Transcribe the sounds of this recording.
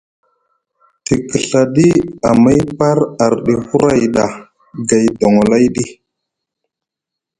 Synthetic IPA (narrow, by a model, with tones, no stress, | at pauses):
ti˨kə˨ɬa˨ɗi˦a˨ma˦jpa˦ɾa˨ɾɗi˨hu˦ɾa˦jɗa˨ | ɡa˨jdo˨ŋo˨la˦jɗi˦